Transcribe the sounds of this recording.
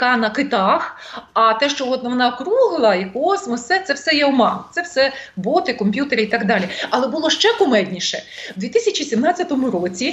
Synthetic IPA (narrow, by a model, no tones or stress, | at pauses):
kɑnɐkɪt̪ɑxɐt̪ɛʃt͡ʃɔɔt̪nɐʋɔnɑkɾuɦlˠɐikɔsmɔssɛt̪sɛwsɛjɛɔmɑt̪sɛwsɛbɔt̪ɪkɔmʲpʲjut̪eɾʲɪit̪ɑɡd̪ɑlʲiɐlˠɛbʊlˠɔʃt͡ʃɛkʊmɛd̪ʲnʲiʃɛ̰wd̪ʋʲit̪ɪsʲɐt͡ʃisʲimnɑt͡sʲːɐt̪ɔmʊɾot͡sʲi